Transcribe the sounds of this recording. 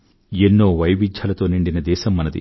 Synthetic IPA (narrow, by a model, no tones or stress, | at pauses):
enːo̞ːʋɐjʋid͡ʒʱjaːlɐt̪o̞ːniɳɖinɐd̪ɛːʃɐmːɐnɐd̪ḭ